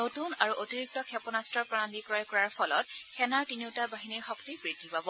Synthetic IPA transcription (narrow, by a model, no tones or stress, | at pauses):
notunaɹuʔotiɹik̚tɔkʰɛpɔnastɹɔpɹɔalikɔɹɔjkɔɹaɹpɔlɔt̚xɛnaɹtiniwtabaɦiniɹxɔktibɹidʱipabɔ